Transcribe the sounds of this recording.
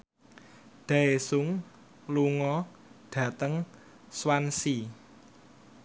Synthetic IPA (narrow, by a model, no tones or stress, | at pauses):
ɖ̪̥aesʊŋ | luŋɔ | ɖ̥ä̤t̪əŋ | swansi